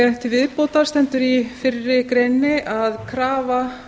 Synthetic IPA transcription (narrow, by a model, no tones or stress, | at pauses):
ɛht̪ɪvɪðpoːwt̪aɾ̥st̪ɛnt̪ʏɾifɪrːɪkɾejnːɪʔaðkʰɾaːva